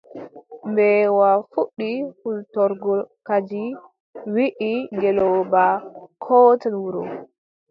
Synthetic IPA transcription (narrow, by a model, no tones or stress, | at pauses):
mbɛwafuɗːihultɔɾɡɔlkad͡ʒi | wiʔiŋɡɛlɔbakʰɔtanwuɾɔ